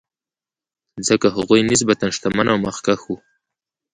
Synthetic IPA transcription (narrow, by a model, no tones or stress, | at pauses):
zəkaɦaɣujnis̬bat̪anʂt̪amanawmaxkaxu